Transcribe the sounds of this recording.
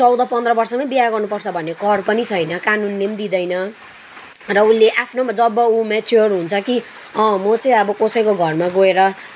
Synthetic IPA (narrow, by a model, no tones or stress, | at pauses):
t͡sʌwd̪ʌpʌnd̪rʌbʌrsʌmabiaɡʌrnupʌrt͡sʰʌbʱʌnːeɡʌrpʌnit͡sʰʌjnʌkanunːemd̪id̪ʌjnʌ | rʌulːeʔapʰnod͡zʌbːʌumet͡sʰiɦʌɾuɦunt͡sʰʌki | ʌ̃mʌt͡sʌĩʌbʌkosʌjkoɡʱʌrmaɡoeɾʌ